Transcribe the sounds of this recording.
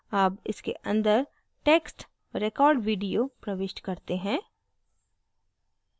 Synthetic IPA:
aːpɪskḛʔɐ̃nd̪əɾ | ʈeːksʈ | ɾeːkɔːɾɖʋiːɖijopɾɐʋɪʃʈkɐɾt̪eɦɛ̃ː

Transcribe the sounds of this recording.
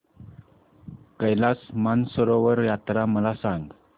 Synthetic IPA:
kəjlasmansəɾoʋəɾjat̪ɾaməlasaŋɡ

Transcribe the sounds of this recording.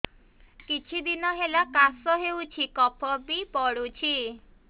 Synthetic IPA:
kit͡ʃʰid̪inɔɦelakasɔɦewt͡ʃʰikɔpʰɔbipɔɽut͡ʃʰi

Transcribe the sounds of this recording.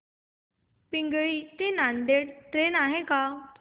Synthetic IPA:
piŋɡɭiːt̪enand̪eɽt̪ɾenaɦeka

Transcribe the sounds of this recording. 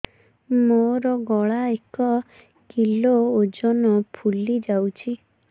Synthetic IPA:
moɾɔɡɔɭaekɔ | kilood͡ʒɔnɔpʰulid͡ʒawt͡ʃʰi

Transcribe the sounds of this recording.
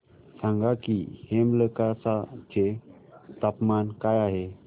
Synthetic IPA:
sãŋɡakḭhemləkasat͡ɕe | t̪apmankajaɦe

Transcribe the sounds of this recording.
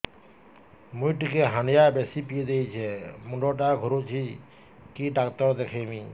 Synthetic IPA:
mujʈikeɦanijabesipied̪ejt͡ɕʰɛmuɳɖɔʈ̬aɡʱɔɾot͡ʃʰi | kiɖakt̪ɔɾd̪ekʰemi

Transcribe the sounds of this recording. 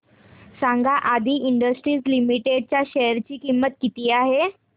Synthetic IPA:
sãŋɡʱaʔad̪ʱiːʔiɳɖəsʈɾiːslimiʈeɖ̚t͡ɕjaɕeəɾt͡ɕiːkimːət̪kit̪iːaɦe

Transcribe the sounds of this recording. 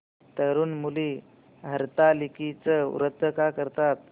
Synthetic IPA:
t̪əɾuːnmuli | ɦəɾt̪alikit͡səṵɾət̪ːəkakəɾt̪at̪̚

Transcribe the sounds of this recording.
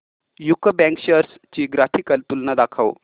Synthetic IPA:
jukəbɛ̃ŋkɕəɾs | t͡ɕiːɡɾat̪ʰikəlt̪ulnad̪akʰaw

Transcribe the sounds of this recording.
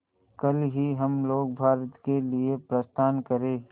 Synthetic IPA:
kɐlɦiɦɐmloːɡ̚bʱaːɾət̪keliepɾəst̪ʰaːnkəɾeː

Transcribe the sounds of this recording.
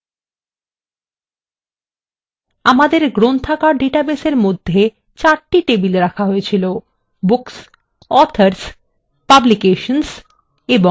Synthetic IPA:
amad̪eɾɡɾont̪ʰakaɖeʈabeseɾmod̪ʱːe | t͡ɕaɾʈiʈebilɾakʰaɦojet͡ɕʰilo | buks | ɔɾt̪ʰaɾs | pablikeʃons | ebo

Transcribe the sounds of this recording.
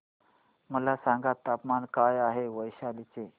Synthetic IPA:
məlasãŋɡat̪ːapmankajaɦeʋəjɕalit͡se

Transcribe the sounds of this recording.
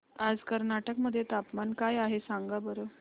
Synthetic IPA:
ad͡zkəɾnaʈəkməd̪ʱːjet̪apmankajaɦesaŋɡabəɾo

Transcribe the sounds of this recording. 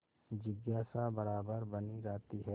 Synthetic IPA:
d͡ʒɪɡjaːsabɐɾaːbəɾbɐnid͡ʒaːt̪iɦɛː

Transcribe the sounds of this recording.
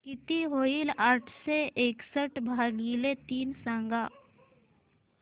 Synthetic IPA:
kɪt̪iɦoːilaːʈʰseʔeːksəʈʰbʱaːɡilet̪iːnsə̃ŋɡa

